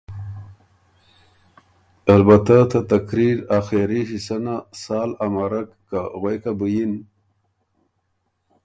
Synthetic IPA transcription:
albat̪at̪at̪akɾiɾaxeɾiɕisanasɑːlamaɾakːaɣwejkabəjin

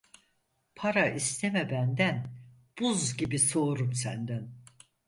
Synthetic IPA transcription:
pʰaɾaʔist̪ʰemɛbænd̪æn | b̥uzɟibiso̞ːɾumsænd̪æn

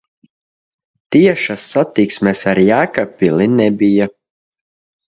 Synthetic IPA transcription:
t̪iɛʃasːat̪iksmʲɛsaɾjæːkapilinɛbija

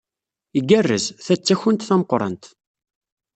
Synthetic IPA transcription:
iɡærːəzθæt͡sːæçənt̪θæməqːɾˤə̰nt̪

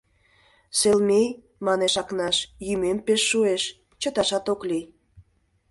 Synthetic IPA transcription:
selmej | mɑneʃɑknɑʃjymempeʃːueʃ | t͡ɕə̆t̪ɑʃɑt̪oklij

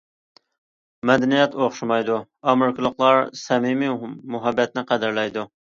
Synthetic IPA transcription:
mɛd̪ɛnijɛt̪oχʃumɑjd̪u | ɑmɪɾkʲɨlˠəχlˠɑɾsɛmimimuɦɛbːɛt̪nɪqʰæd̪ɪɾlɛjd̪u

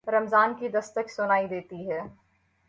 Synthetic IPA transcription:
ɾɐmzaːnkid̪ɐst̪əksʊnaːid̪eːt̪iɦɛː

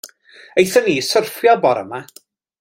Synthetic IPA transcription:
ejθəniːsərfjɔbɔɾə̰ma

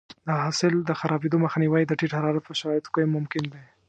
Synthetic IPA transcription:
d̪əɦɑsɪld̪əxaɾɑbed̪oməxaniwaid̪əʈiʈhaɾɑɾat̪̚pəʃaɾɑɪt̪kəjmʊmkɪnd̪e

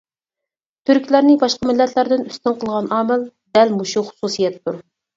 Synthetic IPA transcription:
t̪ʰyɾkʲlæɾnɪbɑʃqɑmɪlːɛt̪ʰlæɾd̪ɪnyst̪ɪŋqʰəlˠʁɑnɑːmɪld̪ɛlmuʃuχʊ̥susijɛt̪ʰːuɾ

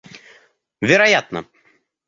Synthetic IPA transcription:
vʲɛɾɐjat̪nə̰

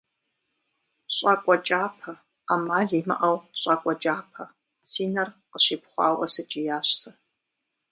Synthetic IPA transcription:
ɕʼakʷʼɔt͡ʃʼaːpʰɐ | aːmaːɮiːmɐ̰ʔɐwɕʼakʷʼɔt͡ʃʼaːpʰɐ | t͡sʰiːnɐrqəɕiːpχʷɑ̰ːwɐsɨt͡ʃʼijaːɕsɐ

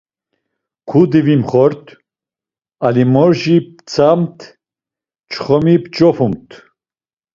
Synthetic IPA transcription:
kʰud̪ivimχɔɾt̪ʰ | alimɔɾʒipt͡sʰamt̪ʰ | t͡ʃʰχɔmipt͡ʃʼɔpʰumt̪ʰ

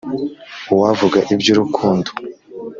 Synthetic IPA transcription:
uwavuɡaʔibɟuɾukʰuːndo̥

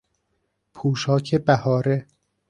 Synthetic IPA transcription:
pʰuːʃɒːcʰebæhɒːɾe

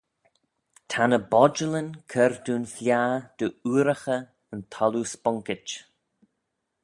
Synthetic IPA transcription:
t̪ʰanəbɔd͡ʒələnkʰəɾd̪uːnflʲjaːd̪̥əuːɾəxə | ənt̪ʰɔluspɔŋkɪt͡ʃ

